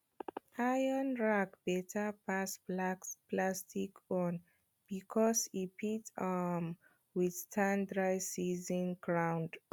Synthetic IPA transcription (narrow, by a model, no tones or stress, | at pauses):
ajənɹakb̥ɛtʰəpas | plastikɔ̃n | b̥ikʰɔsipʰitam | wið̥tʰãndɹajsizə̃nɡɹãw̃nd